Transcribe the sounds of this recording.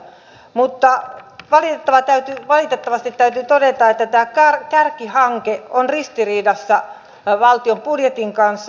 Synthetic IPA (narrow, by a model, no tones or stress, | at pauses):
mut̪ːɑʋɑlit̪et̪ːɑʋɑt̪æyt̪yʋɑlit̪et̪ːɑʋɑst̪it̪ːæyt̪yt̪odet̪ɑet̪ːæt̪æːkɑrkærkihɑŋkeonrist̪iriːdɑsːɑ | ʋɑlt̪iompudjet̪iŋkɑnsː